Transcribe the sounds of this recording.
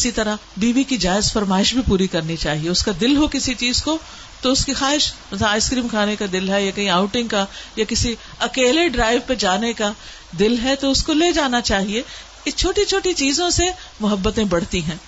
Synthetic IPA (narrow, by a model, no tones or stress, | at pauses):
ɪsit̪ɐɾabiːʋikid͡ʒaːɪzfɐɾmaːɪʃbʱipuːɾikɐɾnit͡ʃaːɦieʊskad̪ɪlɦokɪsit͡ʃiːzko | t̪oʊskixaːɦɪʃmɐt̪lɐaːɪskɾiːmkʰaːnekad̪ɪlɦɛjakɐɦĩaːʊʈɪ̃ŋɡkajakɪsi | ɐkeːleɖɾaːɪʋped͡ʒaːneka | d̪ɪlɦɛt̪oʊskoleːd͡ʒaːnat͡ʃaːɦie | ɪt͡ʃʰoːʈit͡ʃʰoːʈit͡ʃiːzõse | mʊɦəbːət̪ẽbɐɽ̤t̪iɦɛ̃ː